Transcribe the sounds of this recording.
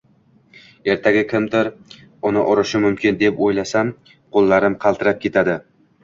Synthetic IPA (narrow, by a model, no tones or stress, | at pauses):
e̞ɾt̪ʰaɡʲɪkʲʰɪmd̪ɪɾ | ʊnɪʔɒɾɪʃɪmʊmkʲɪnd̪epojlasam | qʰolˠːaɾɪmqʰɑlˠt̪ʰɪɾap̚kʰʲe̞t̪ʰad̪ɪ